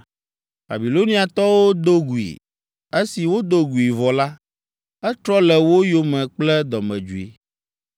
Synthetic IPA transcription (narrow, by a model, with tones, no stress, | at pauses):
ba̰˨bi˨lo˦nĩ˦a˨t̪ɔ˦wo˦d̪o˦ɡu˨ḭ˨ | e˦si˨wo˦d̪o˦ɡu˨i˨vɔ˨la˦ | ɛ˦t̪ɾɔ˦lɛ˨wo˦jo˦mɛ̃˨k͡plɛ˦d̪ɔ˨mɛ̰̃˨d͡ʒu˨ḭ˨